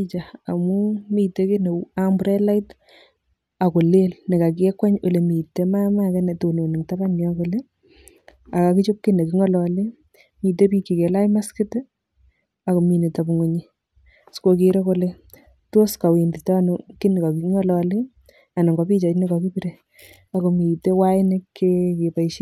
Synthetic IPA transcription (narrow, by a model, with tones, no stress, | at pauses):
it͡ʃa˨a˨mu˦mi˨te˦ke˦ne˨˦ambʊɾɛ˦la˦ɪt | a˨ko˨le˦lne˨ka˨kɛ˦kwa˦ɲo˨le˨miː˨tːe˦ma˦ma˦kɛ˦ne˨to˨no˨ne˨ŋta˦ba˦nɔ˦ko˨le˦ | a˨ka˨kit͡ʃo˦p̚ki˦ne˨kɪ˦ŋɔ˦lɔ˨le˦ | mi˨t̬e˦pi˦kːi˨ke˨la˦jma˦ske˦t | a˨ko˨mi˨ne˨ta˨bu˨ŋo˨ɲi˦ | sko˨kiɾe˦ko˦le | to˦ska˨wi˨ndi˨tɔ˦nki˦ne˨ka˨ki˨ŋɔ˦lɔ˨le˦ | a˨nɔ˨ŋɡɔ˦pi˦t͡ʃa˨tni˦kɔ˨ki˦piɾe | a˨ko˨mi˨te˦wa˦ɪ˦ne˦kːeke˨pa˨iʃi˦